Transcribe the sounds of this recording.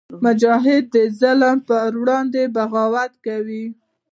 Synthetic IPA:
mʊd͡ʒɑɦɪd̪̚ːəzaləmpəɾwɽɑnd̪ebaɣɑwat̪kawi

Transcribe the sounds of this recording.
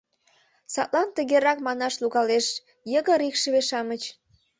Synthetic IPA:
sɑt̪lɑnt̪əɣeɾɑkmɑnɑʃluɣɑleʃ | jəɣə̆ɾikʃəβeʃɑmət͡ɕ

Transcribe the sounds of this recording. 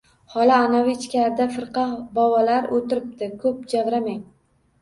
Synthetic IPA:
hɒlaːnavit͡ʃʰɪ̥kʲʰɾd̪afɨɾqʰɑbɒwɒlaɾot̪ɪɾɪp̚t̪ɪkʰɵp̚d͡ʒavɾamaŋ

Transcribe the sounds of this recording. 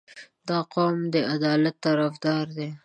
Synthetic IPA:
d̪ɑqomd̪əad̪ɑlat̪ːaɾafd̪ɑɾd̪e

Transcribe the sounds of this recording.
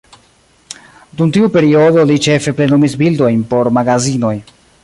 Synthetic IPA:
duntiupe̞ɾio̞do̞lit͡ʃe̞fe̞ple̞numisbildo̞jnpo̞ɾmaɡazino̞j

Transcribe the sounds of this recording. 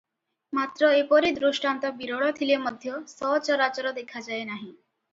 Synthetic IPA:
mat̪ɾəepɔɾid̪ɾuʂʈant̪əbiɾoɭɔt̪ʰiljeməd̪ʱjɔsɔt͡ɕəɾat͡ɕəɾɔd̪ekʰad͡ʑaenaɦi

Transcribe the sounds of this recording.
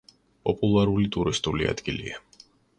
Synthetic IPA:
pʼɔpʼulˠaɾulit̪ʼuɾist̪ʼulia̰d̪̥ɡilḭa

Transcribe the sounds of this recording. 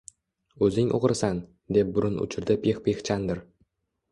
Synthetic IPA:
ɵzɪŋʔo̰ʁɾsan | d̪e̞p̚bʊɾʊnʊ̰t͡ʃʰɪɾd̪ɪpʰeχpʰeχt͡ʃʰand̪ɪɾ

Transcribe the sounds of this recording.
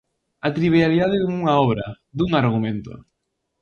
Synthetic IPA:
at̪ɾiβjaliðaðɪðuŋuŋaɔβ̞ɾɐ̰ | d̪uŋaɾɣumẽnt̪o̰

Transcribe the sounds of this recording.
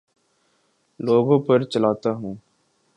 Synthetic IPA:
loːɡõpɐɾt͡ʃɐlaːt̪aɦũː

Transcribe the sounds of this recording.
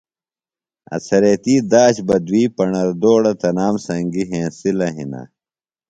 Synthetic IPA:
ɐ̰sʰɐɾet̪iːd̪aːɕbɐd̪wiːpɐɳɐɾd̪oːɽɐt̪ɐnaːmsɐŋɡiɦẽːsilɐɦḭna̰

